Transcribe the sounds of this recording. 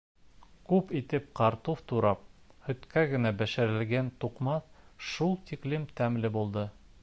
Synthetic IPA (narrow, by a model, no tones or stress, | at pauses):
kʉpit̪ɘp̚qɑɾt̪uft̪uɾɑp̚hɵ̆t̪kæɡɘ̆næbæʃɘ̆ɾɘ̆lɡænt̪uqmɑθʃulˠt̪iklɘmt̪æmlɘbulˠd̪ɤ